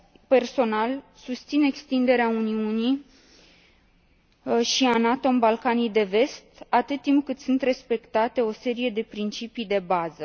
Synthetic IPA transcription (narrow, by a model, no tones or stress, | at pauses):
pe̞rso̞nalsust̪sine̞kst̪ind̪e̞ɾeauniuni | ʃianat̪o̞mbalkanijd̪e̞ve̞st̪at̪ɨt̪ːimp̚kɨt̪sɨnt̪re̞spe̞kt̪at̪e̞o̞se̞ɾije̞d̪e̞pɾint͡ʃipijd̪e̞bazə